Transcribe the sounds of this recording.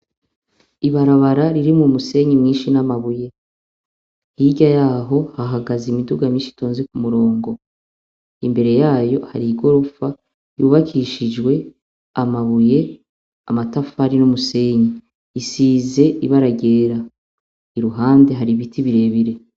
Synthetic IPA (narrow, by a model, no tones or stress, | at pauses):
iβaɾaβaɾaɾiɾimumuse̞ɲimŋiːnʃinamaβuje̞ | hiɟajaːɦo̞haɦaɡazimiduɡamɲiːʃi̥to̞ːnzekumuɾo̞ːŋɡo̞ | imbe̞ɾe̞jaːjo̞ha̰ɾiɡo̞ɾufa | juːβakʰiʃid͡ʒɡwe̞ | amaβuje̞ | a̰matafahaɾinumuse̞ɲiː | siːze̞iβaɾaɟe̞ːɾa | iɾuɦaːnde̞ɦaɾiβitʰiβiɾe̞βiɾe̞